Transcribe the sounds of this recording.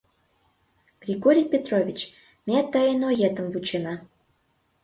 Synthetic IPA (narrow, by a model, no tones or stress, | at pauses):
ɡ̥rʲiɡoɾʲijpʲet̪rovʲit͡ɕ | mʲet̪əenojet̪əmvut͡ɕenɑ